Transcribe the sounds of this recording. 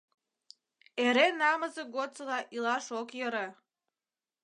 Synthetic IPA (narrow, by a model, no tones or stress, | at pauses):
eɾenɑməzeɡot͡səlɑʔilɑʃokjə̆ɾə